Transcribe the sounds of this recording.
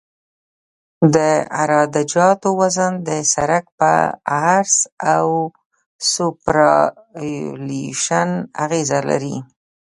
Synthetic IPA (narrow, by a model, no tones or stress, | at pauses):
d̪əa̰ɾɑd̪ad͡ʒɑt̪owazand̪əsaɾak̚pə̰aɾsaw | supɾɑ | liʃana̰ɣezala̰ɾi